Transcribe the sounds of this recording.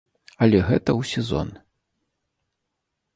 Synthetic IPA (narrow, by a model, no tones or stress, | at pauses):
ɐlʲɛɣɛt̪ɐwsʲɛzɔ̰n